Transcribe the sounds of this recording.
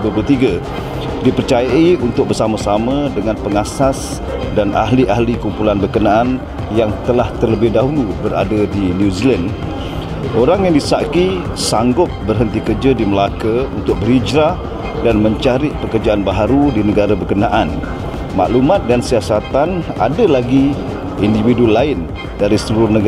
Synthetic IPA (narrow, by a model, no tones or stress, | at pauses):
bəput̪iɡa | dipərt͡ʃajaiunt̪ʊk̚bərsamasamə̃dəŋanpəŋasas | danʔa̰ɦliʔaɦlikumpulanbərkənaʔan | jaŋt̪əlaht̪ərləbɪhdaɦulubəɾa̰dədinjuzilən | oɾaŋjaŋdisaʔki | saŋɡʊt̪̚bərɦənt̪ikərd͡ʒədiməlakəunt̪ʊk̚bəɾid͡ʒɾa | danmə̃ɲt͡ʃaɾɪʔpəkərd͡ʒaanbaɦaɾudinəɡaɾabərkənaʔan | ma̰ʔlumãt̪̚dansiasat̪ana̰dalaɡi | individulaɪn | daɾisəluɾʊrnəɡ